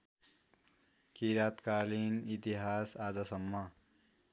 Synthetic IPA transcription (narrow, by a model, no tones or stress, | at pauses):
kiɾat̪kalinit̪iɦasad͡zʌsʌmːʌ